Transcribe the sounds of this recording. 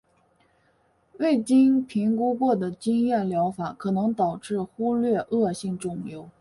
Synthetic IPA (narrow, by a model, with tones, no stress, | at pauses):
we˥˩ɪt͡ɕi˥npʰi˧˥ŋku˥kwɔ˥˩d̪ə˩t͡ɕi˥ŋjɛ˥˩ljɑ˧˥ʊfa˨˩˦kʰɤ˨˩nɤ˧˥ŋt̪ɑ˨˩ʊʈ͡ʂɻ̩˥˩xu˥lɥɛ˥˧ʔɤ˥˧ɕi˥˧ŋʈ͡ʂʊ˥˩ŋjo˧˥˩ʊ